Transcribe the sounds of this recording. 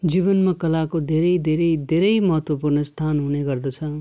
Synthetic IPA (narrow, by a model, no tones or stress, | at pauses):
d͡zibʌnmakʌlakod̪ʱeɾʌjd̪ʱeɾʌjd̪ʱeɾʌjmʌɦʌt̪wʌpurnʌst̪ʰanɦuneɡʌrd̪ʌt͡sʰʌ